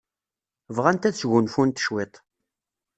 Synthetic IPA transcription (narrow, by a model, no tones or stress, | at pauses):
vʁænt̪æθt͡sʝʊnfunt̪ʃwet̪ˤ